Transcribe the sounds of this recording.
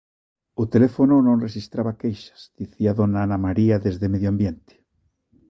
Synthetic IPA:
ʊt̪elefononõnreʃist̪ɾaβakejʃḁzd̪̥iθiaðonaanamaɾiaðezðemeðjambjent̪e̥

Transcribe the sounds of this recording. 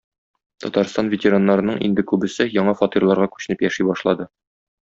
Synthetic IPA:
t̪ɒt̪ɑɾst̪ɑnvʲɪtʲɪɾanːɑɾɤ̆nɤɴʔḭnd̪ɘkʉbɘ̆sɘjɒɴɑfɒt̪irlˠɑɾʁɑkʉ̥ɕɘ̆nɘpjæʃijbɒʃlˠɑd̪ɤ

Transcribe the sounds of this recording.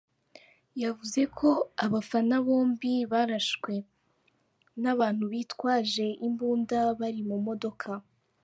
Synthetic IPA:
javuze̞kʰo̞aβafanaβo̞ːmbiβaɾaʃkwe̞ | naβaːn̥huβiːtkwaːʒe̞ʔimbuːndaβaɾimumo̞do̞kʰa

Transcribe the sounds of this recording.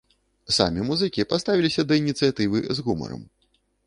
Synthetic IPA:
sa̰mʲimuzɨkʲipast̪avʲilʲisʲɐd̪ɐinʲit̪sɨjat̪ɨvɨzɣumɐ̰ɾɐ̰m

